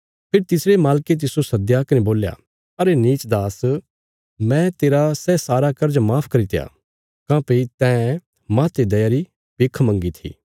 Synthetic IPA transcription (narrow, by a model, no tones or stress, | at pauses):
pʰɪɾt̪ɪsɽemaːlket̪̬ɪsosɐd̪jaːkɐnẽboːlja̰ː | ɐɾeniːt͡ʃd̪aːs | mɛ̃t̪eːɾasɛːsaːɾakɐɾd͡ʒmaːpʰkɐɾit̪eja̰ː | kãːpeit̪ɛ̃ | mãːt̪ed̪ɐjaɾi | peːkʰmɐ̃ŋɡit̪ʰḭː